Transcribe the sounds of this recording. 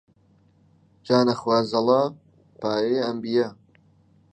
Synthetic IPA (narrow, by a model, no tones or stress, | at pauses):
d͡ʒaːnɐxwaːzɐlɑː | paːjeɐmbijɐ